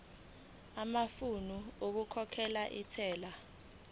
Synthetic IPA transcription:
amafunuok̬ukʰɔkʰɛlaʔitʰɛːla

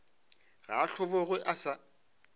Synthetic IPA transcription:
ɣaːɬʊbɔɣwɛʔasa

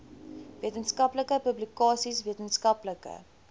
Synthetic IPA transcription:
viətənskɐpləkəpɵblikɑːsisviətənskɐpləkə̰

